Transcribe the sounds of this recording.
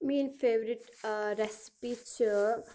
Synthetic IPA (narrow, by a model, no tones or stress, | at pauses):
miːnfeːʋəɾɪʈɾɛsɪ̥pit͡ʃə